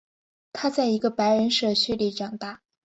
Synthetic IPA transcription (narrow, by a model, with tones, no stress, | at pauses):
t̪ʰa˥t͡sa˥˩ɪi˧˥ɡə˧pa˧˥ɪɻə˧˥nʂɤ˥˩ɕʰy˥˩li˧˩ʈ͡ʂɑ˨˩ŋt̪a˥˩